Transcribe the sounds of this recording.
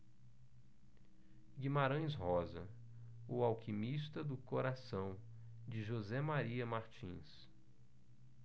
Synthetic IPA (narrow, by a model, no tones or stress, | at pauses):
ɡĩmaɾɐ̃j̃shɔzɐ̰ | ʊawkʰimist̪ɐd̪ʊkoɾasɐ̃w̃ | d͡ʒɪʒozɛmaɾiɐmaɾt͡ʃḭ̃s